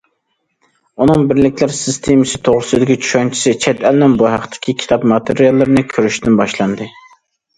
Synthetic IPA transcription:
unɨŋbɪɾlɪkʲlɪɾsɨst̪ʰemɪsɪt̪ʰoʁɾɨsɨd̪ɪkʲit͡ʃʰy̥ʃɑnt͡ʃʰi̥sɨt͡ʃʰɛt̪ɛlnɪnbuɦæqt̪ʰɪ̥kʲʰikʲʰi̥t̪ʰɑpmɑt̪ʰeɾjɑlˠːɨɾnɨkʲʰøɾyʃt̪ɪnbɑʃlˠɑnd̪ɨ

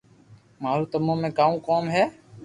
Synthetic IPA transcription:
maːɾuːt̪əmõːmẽːkaːũːkoːmɦɛː

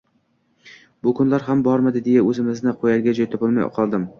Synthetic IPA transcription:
bʊkʰʊnlaɾɦambɒɾmad̪ɪd̪ejaɵzɪmɪznɪqʰojaɾɡʲad͡ʒɒjt̪ʰopɪlˠma̰jqʰɒlˠd̪ɪm

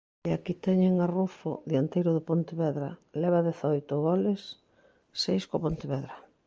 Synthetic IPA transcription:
eakit̪ɛɲeŋarufʊ̰ðiant̪ejɾʊðʊpont̪eβɛðɾa̰lɛβ̞aðɛθaojt̪ʊɣɔlɪsː | ejskopont̪eβɛðɾa

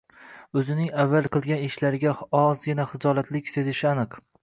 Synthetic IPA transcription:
ɵzɪnɪŋavːalˠqʰɨlˠɡʲanɪʃlaɾɪɡʲaɒzɡʲɪnaχɨd͡ʒɒlat̪lɪkʲse̞zɪʃɪanɨq

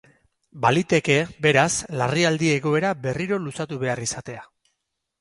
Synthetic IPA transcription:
balit̪e̞ke̞be̞ɾaslariald̪ie̞ɣo̞e̞ɾabe̞riɾo̞lusat̪uβe̞arisat̪e̞a

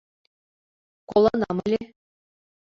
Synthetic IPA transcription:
kolˠɑnɑmə̆lʲe

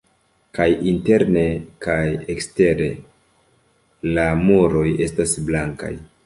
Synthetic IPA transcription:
kajinte̞ɾne̞kajekste̞ɾe̞ | lamuɾo̞je̞stasblaŋka̰j

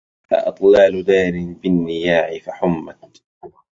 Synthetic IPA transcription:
fa̰ʔɨt̪ˤlɑːlʊd̪aːɾɪnbɪnːɪjaːʕɪfaħʊmːat̪

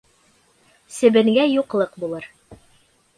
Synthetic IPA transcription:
sɘ̆bɘ̆ŋɡæjuqlˠɤqbulˠɤɾ

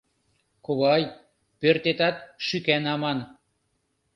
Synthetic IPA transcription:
koβɑj | pørt̪et̪ɑt̪̚ʃykænɑmɑn

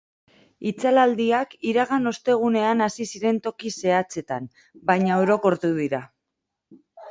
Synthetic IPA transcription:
it͡salald̪iakiɾaɣano̞st̪e̞ɣ̞une̞anasisiɾe̞nt̪o̞kise̞at͡se̞t̪am | bajɲaeowɾo̞ko̞ɾt̪uðiɾa

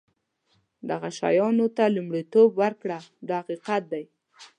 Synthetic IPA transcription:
d̪aɣaʃa̰jɑnot̪alumɽit̪obwaɾkɽad̪ɑhaqiqat̪̚d̪aj

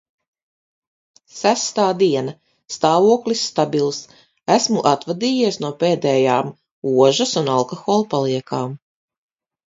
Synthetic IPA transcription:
sæst̪aːd̪iɛna | st̪aːvuɔklʲisːt̪abʲilˠs | æsmuʔat̪vad̪iːjiɛsnuɔpeːd̪ɛːjaːm | uɔʒɐsunalˠkɔxɔːlˠpalˠiɛkʰaːm

